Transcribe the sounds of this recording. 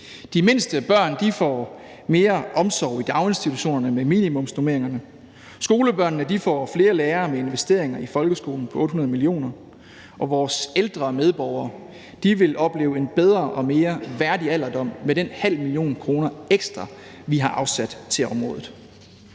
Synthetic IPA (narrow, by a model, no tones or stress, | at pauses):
d̥ime̝nsd̥əb̥ɶɐ̰nd̥ifɒ̰ | me̝ːɐʔɒ̽msɒʊ̰id̥ɑ̈ʊe̝nsd̥it͡sʰuɕo̝̰ːnɐnəmemḭːnimɔ̽msnome̝ɐ̰eŋɐnə | sɡ̥o̝ːləb̥ɶɐnnəd̥ifɒ̰ːfle̝ːɐleːɐmee̝nʋesd̥e̝̰ɐ̰eŋɐifɒ̽lɡ̥əsɡ̥o̝ːln̩pʰɒ̽ɔ̽ːd̥hɦunɐð̞ˠmilio̝̰ːnɐ | ʔɒ̽ʋɒːseld̥ʁɐmeð̞ˠb̥ɒʊɐː | d̥iʋe̝lʔɒ̽b̥le̝̰ːʊe̝nb̥eð̞ˠʁɐʔɒ̽me̝ːɐʋæɐdiæl̰ɐd̥ɒ̽m̰meɾenhæl̰milio̝̰ːnkʰʁo̝ːnɐeɡ̥sd̥ʁɑ̈ | ʋiɦɑ̈ʔɑ̈ʊsæd̥t͡sʰe̝lɒ̽mʁɔ̽ːðˠð̩ˠ